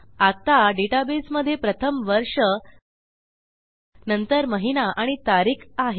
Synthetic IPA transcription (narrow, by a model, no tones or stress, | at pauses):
at̪aɖeʈabesməd̪ʱːjepɾət̪ʰəmʋəɾʂə | nənt̪əɾməɦinaʔaɽ̃it̪aɾiːkʰaɦe